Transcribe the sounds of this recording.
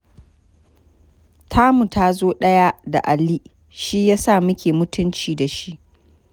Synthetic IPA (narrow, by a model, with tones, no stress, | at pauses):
tʰaː˦mu˨taː˦zoː˦ɗɐ˦ja˦da̰˨ʔa˨lːi˦ | ʃi˦jaː˦sa˦˨mɪ˦kʲeː˨mʊ˦tʰʊ˦nt͡ʃiː˨da˨ʃi˦ʔ